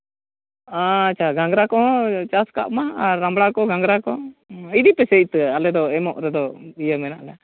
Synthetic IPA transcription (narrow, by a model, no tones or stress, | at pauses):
aat͡ʃʰaɡãŋɡɾakɔɦɔ̃t͡ʃaska̰ʔmaaːambɽakɔɡaŋɡɾakɔid̪ipɛset̪alɛd̪ɔɛmɔʔɾɛd̪ɔijəmɛnaʔlɛ